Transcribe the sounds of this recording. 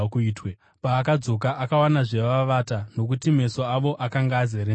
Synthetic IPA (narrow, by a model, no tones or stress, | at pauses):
kuːtwe | paːkad͡zo̞kaʔakawanaʐe̞ʋaʋatano̞k̬utime̞so̞aʋo̞ʔakaŋɡaːzeɾe